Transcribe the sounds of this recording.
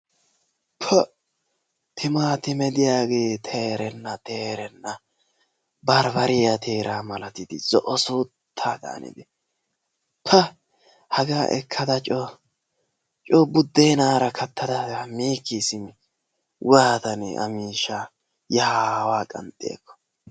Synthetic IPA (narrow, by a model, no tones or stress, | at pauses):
pʰɔ | t̪ʰɪmaːt̪ɪmɛd̪ɪjaːɡe̞ːt̪ʰeːɾɛnːɐt̪eːɾɛnːɐ | bɐɾbɐɾɪjɐt̪ʰeːɾʔaːmɐlɐt̪ɪd̪ɪzɔʔɔsuːt̪ʰːaːd̪a̰ːnɪ̰d̪ɪ | pʰɐ | hɐɡaːʔɛ̰kʰːɐd̪ɐt͡ʃʼɔ | t͡ʃʼɔbʊd̪ːeːnaːɾɐkʰɐt̪ʰːɐd̪ɐɐmiːkːɪsɪm | waːt̪ɐnɐ̰miːʃa | jɐhaːwaːkʼɐ̰nt̪ʼːɪḛːkːɔ̥